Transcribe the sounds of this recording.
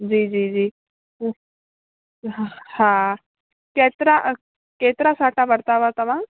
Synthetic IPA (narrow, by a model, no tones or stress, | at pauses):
d͡ʑiːd͡ʑiːd͡ʑiː | ɦhã | ket̪ɾa | ket̪ɾasaʈʰabəɽt̪aʋat̪ɐm̤a